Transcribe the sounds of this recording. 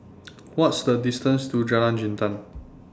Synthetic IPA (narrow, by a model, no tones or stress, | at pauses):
wɔtsd̪ədistə̃nstud͡ʒalãnd͡ʒĩntə̃n